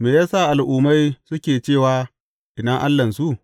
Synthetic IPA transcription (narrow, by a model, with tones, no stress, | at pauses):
meː˨jaː˦sa˦˨ʔa˨lʔuː˨ma˦jsʊ˦kʲeː˨t͡ʃeː˦˨waː˨ | ʔɪ˨dɐ˦ŋʔa˦lːɐ˨nsu˦ʔ